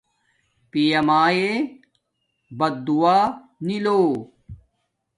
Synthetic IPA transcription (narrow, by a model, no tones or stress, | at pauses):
pijɐmaːje | bɐd̪ːuwaː | niloː